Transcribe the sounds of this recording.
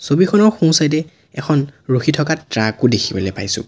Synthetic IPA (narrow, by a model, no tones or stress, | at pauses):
sobikʰɔnɔɹxũsajdɛ | ɛkʰɔnɹoxitʰɔkatɹakʊdekʰibɔlɛpajsʊ̰̃